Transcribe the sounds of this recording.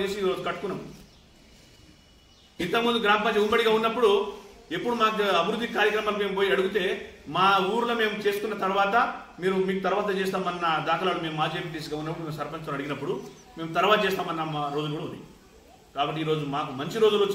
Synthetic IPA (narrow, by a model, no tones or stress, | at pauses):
t͡ʃeːsiiːɾo̞ːd͡ʒukɐʈːu̥kunːɐm | int̪ɐkɐmund̪uɡɾaːmɐpɐt͡ʃɐumbɐɽiɡaːunːɐpːuɽue̞pːuɽumaːkɐbʱiɾud̪ʱːikaːɾjɐkɾɐmaːlume̞ːmubo̞ːjiɐɽuɡut̪e̞ːmaːuːɾulome̞ːmut͡ʃe̞ːsu̥kunːɐt̪ɐɾuʋaːt̪ɐmiːɾumiːkut̪ɐɾuʋaːt̪ɐt͡ʃeːst̪aːmɐnːɐd̪aːkɐlaːlume̞ːmuaːd͡ʒeːpiʈiːs̬ɡaːunːɐpːuɽme̞ːmsɐɾpɐnt͡ʃt̪oːnɐɽiɡinɐpːuɽu | me̞ːmut̪ɐɾuʋaːt̪ɐt͡ʃeːst̪aːmɐnːɐmaɾo̞ːd͡ʒulkuːɽɐund̪ḭ | kaːbɐʈːiːɾo̞ːd͡ʒumaːkumɐɲt͡ʃiɾo̞ːd͡ʒulot͡ʃː